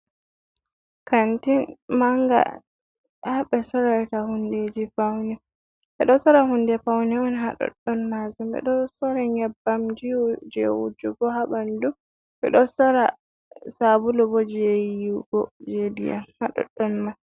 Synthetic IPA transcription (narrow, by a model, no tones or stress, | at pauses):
kantinmaŋɡa̰ | haɓɛsɔɾatahunded͡ʒifawnɛ | ɓɛɗɔsɔɾahundɛfawnɛɔnɦaɗɔ̰ɗːɔnmazumbɛ̰ɗɔsɔɾaɲɛbːamd͡ʒid͡ʒḛwud͡ʒuɡɔhaɓandu | ɓɛ̰ɗɔsɔɾa | sabulɔbɔd͡ʒejiɡɔd͡ʒedḭja̰nhaɗɔ̰ɗːɔnma